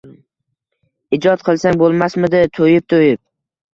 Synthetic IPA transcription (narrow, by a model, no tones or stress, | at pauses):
ɪd͡ʒɒt̪̚qʰɨlˠsaŋbolˠmasmɪd̪ɪt̪ʰojɪp̚t̪ʰojɪp̚